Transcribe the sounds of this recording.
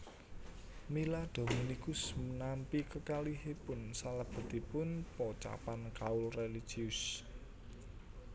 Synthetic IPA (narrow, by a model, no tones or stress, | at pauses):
milad̪̥o̤minikʊsmənampikəkaliɦepʊnsalab̥ə̤t̪ipʊnpɔt͡ʃa̰pankaʊlreli̥ʒ̥iʊs